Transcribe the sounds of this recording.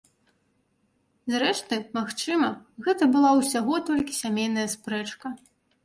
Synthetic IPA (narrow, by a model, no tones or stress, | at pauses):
zɾɛʂt̪ɨmaxt͡ʂɨmɐɣɛt̪ɐbɨlˠawsʲaɣɔt̪ɔlʲkʲisʲamʲejnɐjɐspɾɛt͡ʂkɐ